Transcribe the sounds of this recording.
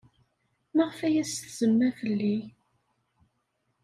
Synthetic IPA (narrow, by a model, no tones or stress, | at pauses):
məʁəfæjæsθzəmːæfəlːi